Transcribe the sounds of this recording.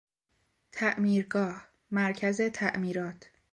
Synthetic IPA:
t̪ʰæʔmiːɾɡɒːh | mæɾcʰæze̞t̪ʰæʔmiːɾɒːt̪ʰ

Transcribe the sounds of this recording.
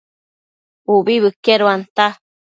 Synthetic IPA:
ubiβɨkeɾuant̪a

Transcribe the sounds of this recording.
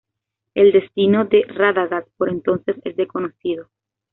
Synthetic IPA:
eld̪e̞st̪inoðeraðaɣaspo̞ɾe̞nt̪o̞nse̞sezðeko̞noθið̞o

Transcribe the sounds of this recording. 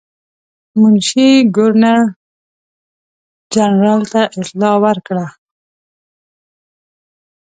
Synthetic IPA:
mʊnʃiɡʊɾnaɾ | d͡ʒanɾɑlt̪aʔɪt̪lɑwəɾkɽa

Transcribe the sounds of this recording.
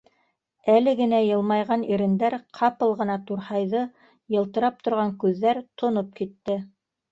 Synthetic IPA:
ælɘɡɘ̆næjɤ̆lˠmɑjʁɑniɾɘ̆nd̪æɾqʰɑpɤlˠʁɤ̆nɑt̪uɾhɑjðɤ | jɤ̆lˠt̪ɤ̆ɾɑp̚t̪ŏɾʁɑŋkʉðːæɾt̪ʰŏnop̚kit̪ːɘ

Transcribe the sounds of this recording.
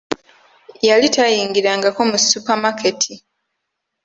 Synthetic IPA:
jalitajiːŋɡiɾaŋɡako̞musupamakʰe̞tʰi

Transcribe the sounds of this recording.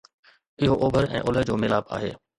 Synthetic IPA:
ɪɦoʔoːbʱəɾɛ̰̃ːʔʊləd͡ʑoːmɪlaːba̰ːɦḛː

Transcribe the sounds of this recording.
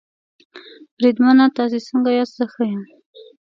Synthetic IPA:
bɾid̪manat̪ɑs̬esəŋɡajɑt̪səxəjam

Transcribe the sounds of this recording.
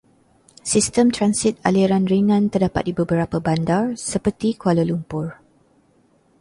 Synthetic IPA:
sist̪əmt̪ɾansit̪̚a̰liɾanriŋãnt̪ərdapa̰t̪̚dibəbəɾapəbandarsəpərt̪ikualəlumpʊr

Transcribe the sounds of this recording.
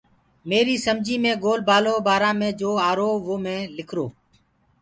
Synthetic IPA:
meːɾiːsəmd͡ʒiːmẽːɡoːlbaːloːbaːɾãːmẽːd͡ʒoːaːɾoːʋoːmẽːlɪkʰɾoː

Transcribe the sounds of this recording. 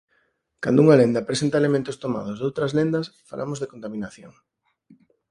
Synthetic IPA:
ka̰nd̪ʊuŋalend̪ɐpɾesent̪ɐelemẽnt̪ʊst̪oma̰ð̞ozðowt̪ɾɐzlend̪ɐsfa̰lʔa̰mozðekont̪amĩnaθjo̰ŋ

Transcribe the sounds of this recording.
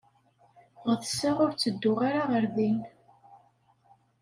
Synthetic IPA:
ʁəθəsːaʁʊɾt͡sːəd̪ːʊʁaɾaʁəɾðin

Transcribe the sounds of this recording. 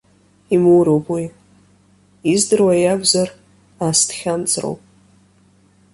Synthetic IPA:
imuwɾowpʰʼwi | izdɨrwajaɡʷzar | astʰχʲant͡sʼro̰wpʼ

